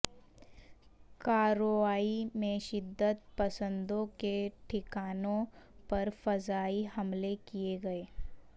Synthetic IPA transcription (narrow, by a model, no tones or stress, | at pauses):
kaːɾoʋaːimẽʃɪd̪ːət̪̚pɐsə̃nd̪õkeʈʰɪkaːnõpɐɾfɐzaːiɦɐmlekijeɡɐeː